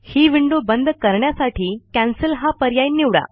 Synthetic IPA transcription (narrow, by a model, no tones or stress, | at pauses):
hiːʋiɳɖobənd̪ʱkəɾɳjasaʈʰiːkæ̃nsəlɦapəɾjajnːiʋɽa̰